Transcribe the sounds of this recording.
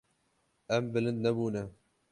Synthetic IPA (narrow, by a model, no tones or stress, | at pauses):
ʔɛmbɨlɨnd̪̚nɛbuːnɛ